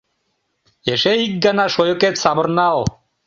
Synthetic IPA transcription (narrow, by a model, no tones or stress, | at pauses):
eʃeik̚ɡanaʃojoket̪sabəɾnal